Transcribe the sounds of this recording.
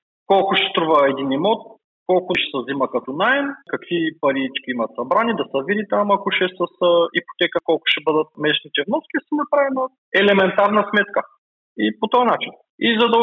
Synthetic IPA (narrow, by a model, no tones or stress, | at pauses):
kɔlˠkʊʃɛ̥st̪ɾuvɐɛd̪inimɔt̪̚ | kɔlˠkʊʃɛ̥səzimɐkɐt̪ɔnaɛnkɐkvipɐɾit͡ʃkʲiimɐt̪sɐbɾanid̪ɐsəvid̪it̪amɐkoʃɛsɐsipo̥t̪ɛkəkɔlˠkʊ̥ʃɛbɤd̪ɐt̪̚mɛʃnit̪ɛvnɔskʲisənɐpɾavɛno | ɛlɛmɛnt̪aɾnɐsmɛt̪kə | ipot̪ɔjɐnat͡ʃin | izɐd̪ɐ